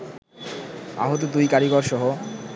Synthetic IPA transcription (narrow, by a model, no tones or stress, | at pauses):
a̰ɦot̪̬od̪ujkaɾiɡɔɾʃɔɦo